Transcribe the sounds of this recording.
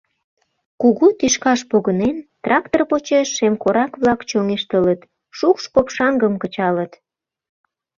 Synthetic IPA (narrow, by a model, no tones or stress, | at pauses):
kuɣut̪iʃkɑʃpoɣənent̪rɑk̚t̪orpot͡ɕeʃːemkoɾɑkβlɑkt͡ɕoŋeʃt̪ələt̪ | ʃukʃkopʃɑŋɡəmkət͡ɕɑlət̪